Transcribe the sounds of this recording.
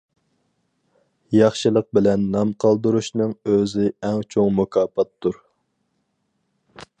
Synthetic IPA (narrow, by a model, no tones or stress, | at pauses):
jɑχʃɨlˠəq̚bɪlɛnːɑmqʰɑlˠd̪uɾuʃnɨŋøzɪɛŋt͡ʃʰoŋmukʰɑːpʰɑt̪ʰːuɾ